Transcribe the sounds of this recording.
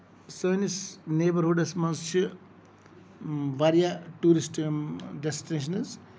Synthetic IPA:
sojnisneːbɐɾɦuɖɐsmɐ̃nst͡ʃʰi | ʋɐɾjaʈuːɾisʈɖesʈineːʃ̬ɐnɐz

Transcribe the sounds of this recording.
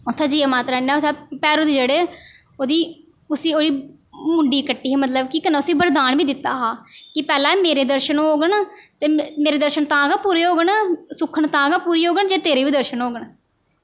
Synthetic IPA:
ʊt̪ʰːãːd͡ʒiːaːmãːt̪ɾaːnːaːʊt̪ʰapɛːɾoːd̪iːd͡ʒeːɽeː | oːd̪iː | ʊsĩːoːɾiː | mʊɳɖiːkəʈːiːɦeːmət̪ləbkiːkənãʊsĩːbəɾd̪aːnʋiːd̪ɪt̪ːaːɦaːkɪpɛːlãːmeːɾeːd̪əɾʃənoːɡənt̪eːmeːɾeːd̪əɾʃənt̪ãːɡaːpuːɾeːɦoːɡənsʊkʰəɳt̪ãːɡaːpuːɾiːoːɡəɳd͡ʒeːt̪eːɾeːʋiːd̪əɾʃənɦoːɡəɳ

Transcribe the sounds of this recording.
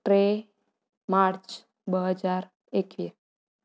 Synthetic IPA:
ʈɾe | maɾt͡ʃ | bəɦəd͡ʒaɾ | ekʋi

